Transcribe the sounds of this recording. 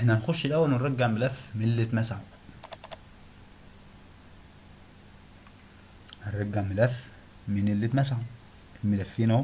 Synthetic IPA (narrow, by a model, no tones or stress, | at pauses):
ʔɪnːænxʊʃːɪlʔæwːælmɪrˤːɑɡːɪʕmælæfminɪlːit̪mæsaħu | ɪrˤːɑɡːaʕmælæf | mɪnɪlːit̪mæsaħu | ilmɪlæfːiːnː